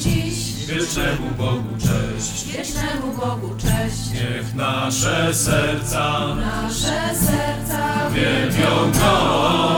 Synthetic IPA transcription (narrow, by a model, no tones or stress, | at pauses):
d͡ʑi | vʲjɛtnɛmubɔɡut͡ʂɛɕt͡ɕʲjɛnɛmubɔɡut͡ʂɛɕt͡ɕɲɛvnaʂɛsɛɾt̪sanaʂɛsɛɾt̪savʲjɛmʲjɔ̃wɡɔwa